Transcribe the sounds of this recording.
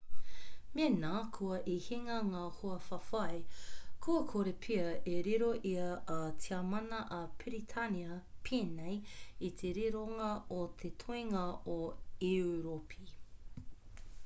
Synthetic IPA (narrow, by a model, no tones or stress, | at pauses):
menaːkʰuɐʔihiŋɐŋaːhoɐfɐfɐjkʰuɐkʰoɾepʰiɐeɾiɾoʔiɐːtʰiamɐnɐʔɐpʰiɾit̪ʰɐniɐpʰinejit̪ʰeɾiɾoŋɐot̪ʰet̪ʰoiŋɐoeuɾopʰi